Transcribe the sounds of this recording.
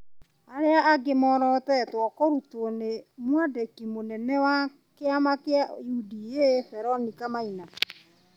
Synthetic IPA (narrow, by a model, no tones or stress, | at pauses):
aɾeaaɡemɔːɾɔtɛtwɔkɔɾutːnemwadɛkimonɛnɛwa | keamakeaudijeθɛɾɔnikamaina